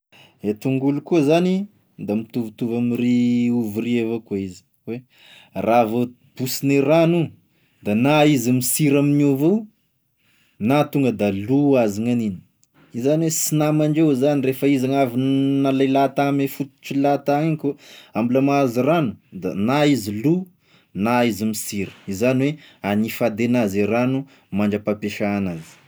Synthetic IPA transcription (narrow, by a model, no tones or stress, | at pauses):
et̪uŋɡulukuzani | d̪amit̪uvut̪uvamriuvurievakuizi̥ | we | rʔavo | b̥usineranu | d̪̥anaizimisiɾaminuvew | nat̪uŋɡəd̪aluaziŋanini̥ | izaniwesinamaɳd͡ʒewzanirefəizaŋavinnalalat̪amefut̪u̥t͡ʃilat̪akʲoambulamaziranud̪a̰naizilu | naizimisiɾə̥izaniweanifad̪enaziɾanu | maɳd͡ʒəpapeʃaːnazi̥